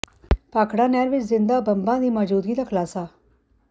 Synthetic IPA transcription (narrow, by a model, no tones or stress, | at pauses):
paːkɽanjaɾʋɪt͡ʃzɪnd̪abəmbãd̪iːməd͡ʒuːd̪ɡiːlakʰlaːsaː